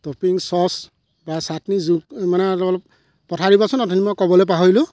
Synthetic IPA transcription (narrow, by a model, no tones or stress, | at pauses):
topiŋsɔs | basatnizukmanɛlɔlɔp̚ | pɔtʰaɹibɔsɔnɔtʰinimɔkɔbɔlɔp̬aɦɔjlʊ